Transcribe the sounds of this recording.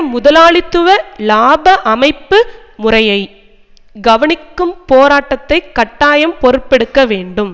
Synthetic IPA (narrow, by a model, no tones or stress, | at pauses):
mʊðɐlaːɭɪt̪ːɯʋɐlaːbɐʔɐmɐɪpːɯ | mʊrɐjɐɪ | ɡɐʋɐɳɪkːɯmpoːɾaːʈːɐt̪ːɐɪkːɐʈːaːjɐmpɔɾɯpːɛɽɯkːɐʋeːɳɖɯm